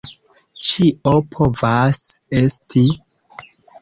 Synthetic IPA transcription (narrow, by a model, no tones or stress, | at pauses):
t͡ʃiʔopʰovasestʰi